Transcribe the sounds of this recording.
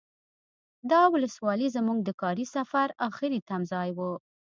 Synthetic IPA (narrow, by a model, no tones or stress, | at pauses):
d̪ɑwʊləswɑlizəmuɡ̚d̪əkɑɾisafaɾɑxɪɾit̪amzɑjwu